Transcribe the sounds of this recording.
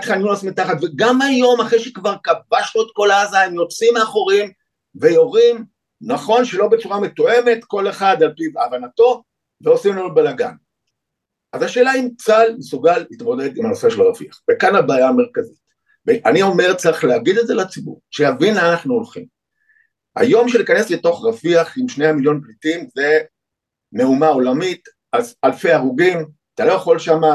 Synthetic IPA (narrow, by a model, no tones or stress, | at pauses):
at̪χaninuasmit̪aχat̪veɡamajo̞maχʁejʃekvaʁkabaʃloet̪̚ko̞laazaimjo̞t͡simeaχo̞ʁim | ve̞jo̞ʁim | naχo̞nʃe̞lo̞bet͡suʁamet̪oe̞me̞t̪ko̞leχad̪alpibavanato̞ | veo̞simlonubelaɡa̰n | ʔazaʃe̞ːlaimt͡salmesuɡalit̪mo̞d̪ed̪imanoseʃelaʁaviaχvekanabaːjaːmeʁkazit | veʔanio̞me̞ʁt͡saʁiχleaɡid̪etzeleat͡sibṵʁʃejavinlaːnaχnuolχim | a̰jo̞mʃelikane̞sleto̞χʁafiaχimʃneamiljo̞nplitimve | me̞umao̞lamit | azalfeaʁuɡim | at̪alo̞jaχo̞lʃama